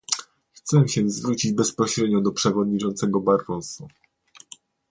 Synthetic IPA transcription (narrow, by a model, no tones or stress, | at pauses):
xt̪sɛw̃ɕɛzvɾut͡ɕid͡ʑbɛspɔɕɾɛd̪ɲɔd̪ɔpʂɛvɔd̪ɲit͡ʂɔnt̪sɛɡɔbaɾːɔsu